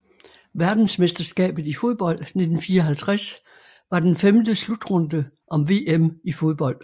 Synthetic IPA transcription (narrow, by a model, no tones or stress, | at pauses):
ʋæɐd̥n̩sme̝sd̥ɐsɡ̥ɛ̰ːb̥ð̞̩ˠifo̝ð̞ˠb̥ɒ̽l̰d̥ne̝d̥n̩fiːɐɒ̽ɦælt͡sʰʁas | ʋɑ̈d̥enfemd̥əslud̥ʁɔ̽nd̥ə | ʔɒ̽mʋe̝ːemifo̝ð̞ˠb̥ɒ̽l̰d̥